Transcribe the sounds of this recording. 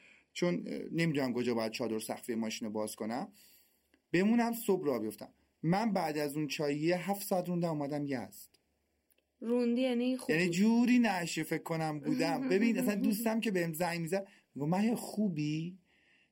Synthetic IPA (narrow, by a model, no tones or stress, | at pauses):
t͡ʃʰonːemid̪uːnæmkʰo̞d͡ʒɒːbɒːjæd̪̚t͡ʃʰɒːd̪o̞ɾsæ̰xfijemɒːʃiːnobɒːz̥kʰo̞næm | b̥e̞muːnæmsobɾɒːbijo̞ft̪æ̰mː | ænbæːd̪æzũnt͡ʃʰɒːjijeɦæft̪sɒæt̪ɾund̪æmuːmæd̪æmjæ̰z̥d̪̥ | ɾund̪ijænijænid͡ʒuːɾiːnæʃefekʰːo̞næmbuːd̪æmbe̞biːnæsænd̪uːs̬t̪æmce̞behemzæjmiːzæd̪̚ | miɡomæɦexuːbiː